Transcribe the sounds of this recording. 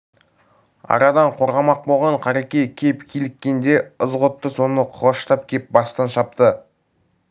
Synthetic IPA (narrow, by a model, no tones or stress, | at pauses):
ɑ̰ɾɑd̪ɑɴqʰo̞ɾʁɑmɑq̚bolˠʁɑɴqʰɑɾekʲejkʲʰepkʲʰelɪkʲːe̞nd̪e̞əzʁot̪ːəso̞nəqʰəʁəʃt̪ɑp̚kʲʰe̞p̚bɑst̪ɑnʃɑp̚t̪ə